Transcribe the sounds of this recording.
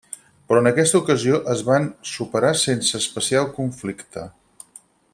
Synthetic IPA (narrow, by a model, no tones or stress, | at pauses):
pɾɔənəkɛst̪əukəzioʔəzβansupəɾasensəːspəsialˠkuɱflikt̪ʰə̰